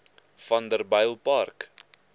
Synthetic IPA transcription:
fɐndərbɐjlˠpɐrk

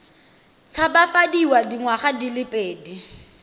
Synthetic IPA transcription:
t͡sʰabafadiwadiŋwaχadilɪpʼeːdi

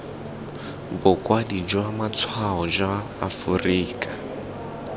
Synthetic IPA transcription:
bɔkʼwadid͡ʒwamat͡sʰwaɦɔd͡ʒaː | furiːkʼa

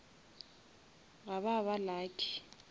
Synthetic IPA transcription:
ɣaβaβalaːkʼʰi̥

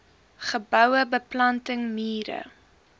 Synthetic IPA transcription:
χəbœwəbəplɐntəŋmiːɾə̰

